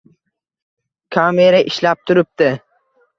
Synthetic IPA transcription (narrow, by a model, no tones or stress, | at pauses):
kʰameɾaʔɪʃlap̚t̪ʰʊɾɪp̚t̪ɪ